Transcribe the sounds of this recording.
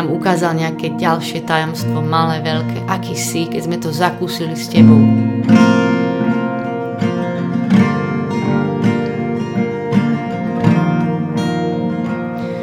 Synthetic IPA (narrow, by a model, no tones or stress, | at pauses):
amukaːzalɲɛakɛːɟalʃɪɛt̪ajɔmst̪ʋɔmalɛːʋɛʎkʰɛ̰ːʔakiːsikɛɟzmɛt̪ɔzakuːsiliscɛbɔʊ